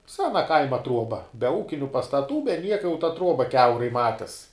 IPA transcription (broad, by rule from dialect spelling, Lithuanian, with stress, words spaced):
ˈsʲæːnɐ ˈkɐɪmɐ ˈtruɔbɐ bʲɛ ˈuːkʲɪnʲʊ pɐstɐˈtuː bʲɛ ˈnʲiɛkɐ jɛʊ tɐ ˈtruɔbɐ ˈkʲɛʊrɐɪ ˈmɑːtʲɪs